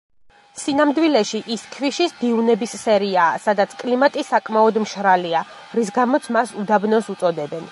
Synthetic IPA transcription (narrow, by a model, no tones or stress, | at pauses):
sinamd̪wilɛʃiʔiskʰviʃisd̪iunɛbisːɛɾiaːsad̪at̪sʰkʼlimat̪ʼisakʼmaɔd̪mʃɾalia | ɾis̬ɡamɔt̪sʰmasud̪abnɔsut̪sʼɔd̪ɛbɛn